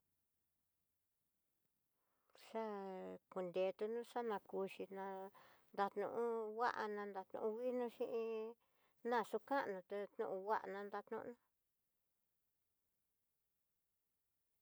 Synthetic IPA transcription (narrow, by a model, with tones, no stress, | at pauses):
ʂa˦ku˨nd̪e˨˧t̪u˧nũ˦ʂa˦nã˧ku˧ʃi˧nã˧nd̪a˧t̪nṵ̃˧ʔũ˦wa˦ʔa˧nã˧nd̪a˧t̪nṵ̃˧ũ˧wi˦nũ˦ʃĩ˦ʔĩ˧ | nã˦˧˨su˧kã˦ʔnũ˧t̪e˧t̪nũ˦˧ʔũ˧wa˦ʔa̰˧nã˧nd̪a˧t̪nṵ̃˦˧nã˦